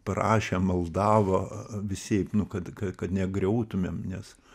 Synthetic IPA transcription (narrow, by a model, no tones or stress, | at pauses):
pɐɾɑ̰ːʃʲemɐlˠd̪ɑːʋoːʋʲɪsʲɛɪpnʊkɐt̪kɐkɐt̪nʲɛɡɾʲɛʊt̪ʊmʲeːmnʲɛs